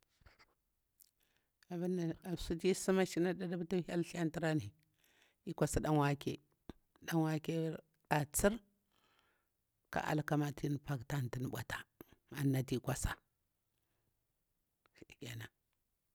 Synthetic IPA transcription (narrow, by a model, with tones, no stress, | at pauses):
a˨ba˦na˨a˨su˦ti˦si˦ma˦ʃi˦na˦da˦da˦ba˦ta˦ha˦lɬi˦a˦nti˦ɾa˦ni˨ | i˦kʷa˨sa˨da˦n˦wa˦kḛ˨ | ɗa˦nwa˦ke˦ | ɗa˨t͡si˦ɾ | ka̰˦ʔa̰˨lka˦ma˨tʰi˦n˨pa˦kta˦n˨ti˨n˨ɓʷa̰˨tḁ˨a˨nːa˨ti˦˨kʷa˨sa˨ | ɡʲa˨na˨